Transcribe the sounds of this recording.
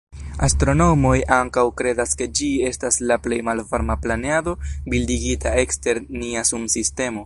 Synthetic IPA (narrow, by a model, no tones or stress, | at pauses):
astɾo̞no̞mo̞jʔaŋkawkɾe̞daske̞d͡ʒie̞staslaple̞jmalvaɾmaplaneado̞bildiɡitae̞kste̞ɾniasumsiste̞mo̞